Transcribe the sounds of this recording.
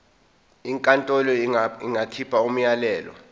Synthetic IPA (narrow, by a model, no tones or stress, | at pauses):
iŋkʼantʼɔlɔiŋɡakʰipʰaum̩jalɛːlɔ̰